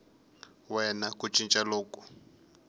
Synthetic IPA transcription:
wɛnakut͡ʃʼint͡ʃʼaloːku

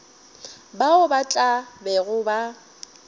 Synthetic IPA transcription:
baʊbat͡ɬʼabɛɣʊba

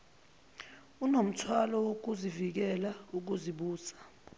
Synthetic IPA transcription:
unom̩tʰwalɔwok̬uzivik̬ɛlauk̬uziɓuːsḁ

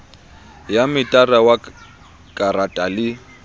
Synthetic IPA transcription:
jamɪtʼarawa | kʼaratʼalɪ

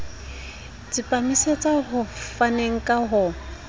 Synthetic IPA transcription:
t͡sʼipʼamiset͡sʼaɦʊfaneŋ̩kʼaɦʊ

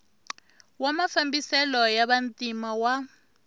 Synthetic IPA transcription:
wamafambisɛlɔjaɓantʼimawa

